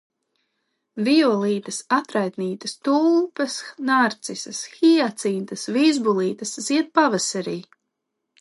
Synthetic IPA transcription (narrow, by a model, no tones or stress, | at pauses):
viɔlˠiːt̪ɐsat̪ɾajt̪niːt̪ɐst̪ulˠpɐsnaɾt̪sisɐsxiat̪sint̪ɐsvizbulˠiːt̪ɐsz̥iɛt̪̚pavasaɾiː